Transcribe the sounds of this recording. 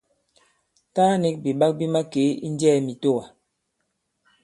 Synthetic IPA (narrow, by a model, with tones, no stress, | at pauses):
ta˦ni˦k̚bi˨ɓa˦k̚bi˦ma˦ke˨˦ḭ˦n˦dɛː˦˨mi˨to˦˨wa˨